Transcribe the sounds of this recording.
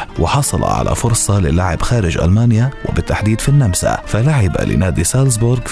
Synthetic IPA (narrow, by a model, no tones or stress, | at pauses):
wɪħɑsˤɑlɑ̰ʕa̰lʔa̰fʊɾsˤɑlɪlːaʕɪbxaːɾɪʒʔa̰lmaːnjawɪbɪt̪ːaħd̪iːd̪finːamsa̰falaʕɪba̰lɪ̰naːd̪isals̬bʊɾɡ